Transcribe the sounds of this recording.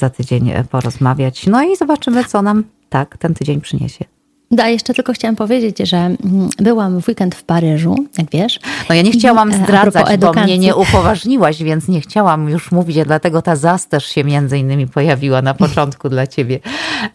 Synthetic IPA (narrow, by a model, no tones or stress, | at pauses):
z̥at̪ɘd͡ʑeɲ̰pɔɾɔzmavʲjat͡ɕnɔizɔbat͡ʂɘmɘt̪sɔnam | t̪akt̪ɛnt̪ɘd͡ʑeɲpʂɘɲḛɕɛ | d̪ajɛʂt͡ʂɛt̪ɘlkɔxt͡ɕawɛmpɔvʲjed͡ʑet͡ɕʐɛbɘwamvwikɛnt̪fpaɾɘʐṵjaɡvʲjɛʂɔjaɲɛxt͡ɕawamzɾazat͡ɕʔɛd̪ɔmɲɛɲɛʔupɔvaʐɲiwaɕvʲjɛnt̪sɲɛxt͡ɕawamjuʂmuvʲit͡ɕad̪lat̪ɛɡɔt̪azast̪ɛʂɕɛmʲjɛnd̪zɘinːɘmʲipɔjavʲiwanapɔt͡ʂɔnt̪kud̪lat͡ɕebʲjɛ